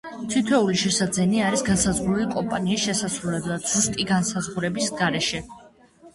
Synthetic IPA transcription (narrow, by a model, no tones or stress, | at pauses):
t̪ʰit̪ʰɛuliʃɛsad̪zɛniaɾisɡansazʁɾulikʼɔmpʼaniːsʃɛsasɾulɛblˠad̪̥z̥ust̪ʼiɡansazʁuɾɛbisɡaɾɛʃɛ